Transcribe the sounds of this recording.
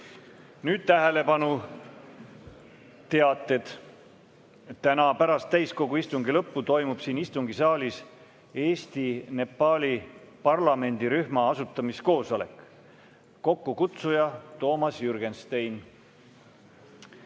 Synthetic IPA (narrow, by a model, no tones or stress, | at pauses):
nyːd̪̥t̪æɦe̞le̞pɑnu | t̪e̞ɑt̪ːˑet̪ | t̪ːænɑpæɾɑst̪ːæjsko̞ɡuist̪uŋɡilɤpːut̪o̞jmub̥siːnist̪uŋɡ̥isɑːlʲis | e̞ːst̪ine̞pːɑːlʲipɑrlɑme̞nʲd̪̥iɾyhmɑɑsut̪ːˑɑmisko̞ːso̞le̞̰kː | o̞kːukut̪sujɑt̪o̞ːmɑsjyrɡe̞nst̪ejn